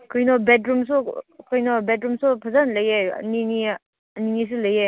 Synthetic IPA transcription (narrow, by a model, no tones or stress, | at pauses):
kʰɔjnɔbetɾums̬ukʰɔjnɔbetɾumsupʰazanlɐjeɐ̰nini | ɐninis̬ulɐje